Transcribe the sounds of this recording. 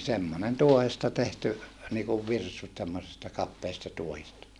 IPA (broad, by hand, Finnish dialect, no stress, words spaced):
semːonen tuohestɑ tehty niːkuʋ ʋirsut semːosestɑ kɑpːeːstɑ tuohistɑ